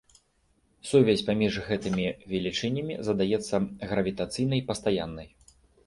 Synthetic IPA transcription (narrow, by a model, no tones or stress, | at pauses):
suvʲɛsʲpamʲiʐɣɛt̪ɨmʲivʲɛlʲit͡ʂɨnʲɐmʲḭzɐd̪ajɛt̪sːɐɣɾɐvʲit̪at̪sɨjnɐjpɐst̪ajanːɐj